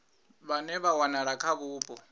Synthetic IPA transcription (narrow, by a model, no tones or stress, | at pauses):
βanɛβawanaɺakʰaβuːbʼɔ